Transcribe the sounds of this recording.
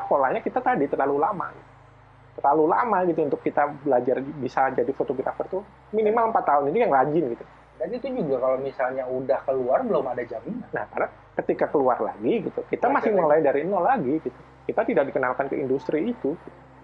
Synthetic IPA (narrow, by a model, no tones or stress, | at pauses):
kolahɲakit̪at̪adit̪ərlalulama̰ɡit̪u | t̪ərlalula̰maɡit̪uunt̪ʊkːit̪abəlad͡ʒarbisad͡ʒadifot̪oɡɾa̰fərt̪u | minimaləmpat̪ːaʊninijaŋrad͡ʒɪnɡit̪u | danit̪ud͡ʒuɡakalomisalɲaudahkəluarbəlʊmadad͡ʒaminana̰hkarna | kət̪ikakəluarla̰ɡiɡit̪ukit̪amasɪməlajdaɾiənɔlaɡiɡit̪u | kit̪at̪idak̚dikənalkankəindust̪ɾiːt̪uɡit̪u̥